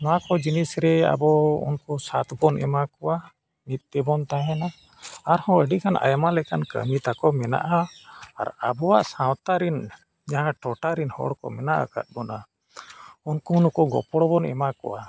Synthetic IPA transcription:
makɔd͡ʒinisɾɛa̰bɔṵnkusat̪bɔnʔɛ̰makɔwa | nit̪̚ˀt̪ɛbɔnt̪aɦɛna | aɾhɔ̃əɖikʰanʔa̰jamalɛkankə̰mit̪akɔmɛna̰ʔa̰ːɾabɔwaʔsãwt̪aɾin | d͡ʒaɦãʈɔʈaɾinhɔ̰ɽkɔ̰mɛnaʔa̰ka̰t̪̚ˀbɔna | unkuːnkɔɡɔ̰pɔɽɔbɔnɛ̰makɔ̰wa

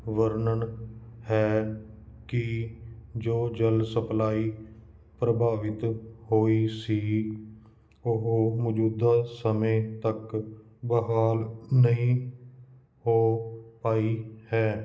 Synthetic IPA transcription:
ʋəɾnəɳhɛː | kɪ | d͡ʒoːd͡ʒəlsəplaːiː | pɾəbʱaːʋɪt̪hoːiːsiː | ʊɦmɔːd͡ʒuːd̪aːsəmẽːt̪ək | bəɦaːlnəĩː | hoːpaːiːhɛː

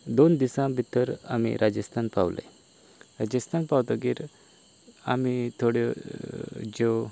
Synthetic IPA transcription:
d̪ond̪isãbʱit̪əɾa̰mḭɾʔad͡ʑəst̪ʰanpa̰ʋlḛ | ɾad͡ʑəst̪ʰanpawt̪aɡiːɾ | a̰mit̪ʰoɽe | d͡ʑo

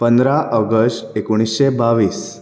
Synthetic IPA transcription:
pənd̪ɾaʔəɡəsʈekoɽ̃isɕebaʋiːs

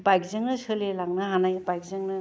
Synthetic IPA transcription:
bajkzeŋnɯsɯlelaŋnaɦanajbajkzeŋnɯ

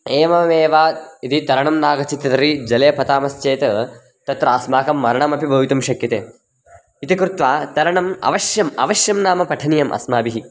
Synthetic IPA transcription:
eːʋɐʋeːʋaːit̪it̪ɐɾɐɳɐmnaːɡɐt͡ʃit̪ɐt̪ɾid͡ʒɐleːpɐt̪aːmɐst͡ʃeːt̪ɐ | t̪ɐt̪ɾɐaːsmaːkɐmːɐɾɐɳɐmɐpibʱɐʋit̪ɐmʃɐkjɐt̪eː | it̪ikɾut̪ʋaːt̪ɐɾɐɳɐmɐ̰ʋɐʃjɐmɐ̰ʋɐʃjɐmnaːmɐpɐʈʰɐnijɐmʔɐ̰smaːbiɦi

